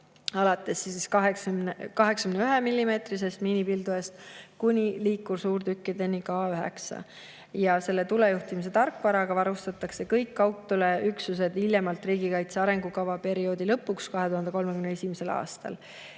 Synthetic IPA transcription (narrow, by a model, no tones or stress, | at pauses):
ɑlɑt̪ːˑe̞sːiskɑɦekskɑɦe̞ksɑkyneyɦemilʲːime̞ːt̪ris̬e̞st̪miːnipild̪ue̞st̪kunʲiliːkːuɾsuːrt̪ykːid̪enʲːiɡɑːyɦe̞̰ksɑ̰ | jɑse̞lːe̞t̪ule̞juht̪imis̬e̞t̪ɑrkːˑvɑɾɑɡ̥ɑvɑɾust̪ɑt̪ːˑɑkse̞kɤjkːɑwt̪ːˑule̞yksus̬e̞d̪ilʲjemɑlt̪ˑriːɡ̥ikɑjt̪seɑɾe̞ŋɡukɑvɑpe̞ɾio̞ːd̪̥ilɤpːˑukskɑɦe̞t̪uhɦɑnd̪eko̞lmekymnee̞sʲimese̞lɑ̰ːst̪ɑ̰l